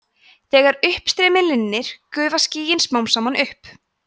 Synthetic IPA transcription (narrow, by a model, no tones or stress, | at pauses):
θɛːɣaɾʏhpst̪ɾɛːmɪlɪnːɪɾ̥kʏːvasciːjɪnsmaːwmsaːmanʔʏhp